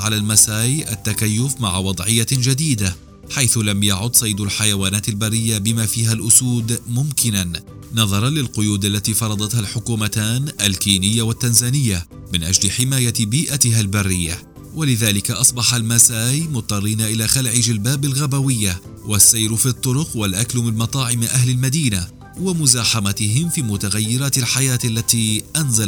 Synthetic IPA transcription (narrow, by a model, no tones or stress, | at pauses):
ʕalaːlmasaːjʔat̪ːakajːʊfmaʕawɑd̪ˤʕɪjːad͡ʒad̪iːd̪a | ħajθʊlamjaʕʊd̪sˤɑjd̪alħajawaːnaːt̪albarːɪjːabɪmaːfiːɦalʔʊsuːd̪mʊmkɪnan | nɑðˤɑɾˤɑnlɪlqʊjuːd̪alːat̪iːfɑɾˤɑd̪ˤɑt̪halħʊkuːmat̪aːnʔalkiːnɪjːawat̪ːanzaːnɪjːa | mɪnʔad͡ʒlɪħɪmaːjabiːʔat̪ɪɦalbarːɪjːa | walɪðaːlɪkaʔɑsˤbɑħalmasaːjmʊt̪ˤːɑrˤːiːnaʔɪlaːxalʕɪd͡ʒalbaːbalɣabawɪjːawasːajɾfiːt̪ˤːʊɾʊqwalʔaklʊmɪnmɑt̪ˤɑːʕɪmʔahlalmad̪iːna | wamʊzaːħamat̪ɪɦɪmfiːmʊt̪aɣajːɪɾaːt̪alħajaːt̪alːat̪iːʔanza